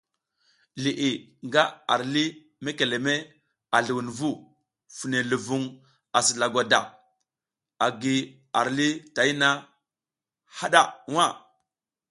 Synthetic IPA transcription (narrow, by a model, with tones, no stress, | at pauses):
li˨ʔi˨ | ŋɡa˦a̰˨ɾli˦ | me˦ke˨le˨me˦ | a˨ɮu˨wu˨nvu˦ | fu˨ne˨lu˨vu˦ŋ | a˨si˨la˨ɡʷa˨da̰˨ | a˨ɡi˨ | a˨ɾli˦ta˨i˦na˦ | ha˦ɗa˦˨wa˦˨